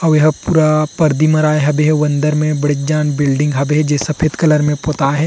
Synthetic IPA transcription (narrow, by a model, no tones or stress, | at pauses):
ɐʋjɐɦpuːɾapɐɾd̪imɐɾaːeɦɐbeɦɛwɐ̃nd̪əɾmẽbɐɽid͡ʒaːnbɪlɖɪ̃ŋɡɦɐbeɦɛd͡ʒesɐpʰeːd̪kɐləɾmẽpoːt̪aːɦɛ̃